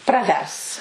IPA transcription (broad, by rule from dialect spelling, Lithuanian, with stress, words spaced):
prɐˈʋʲɛrs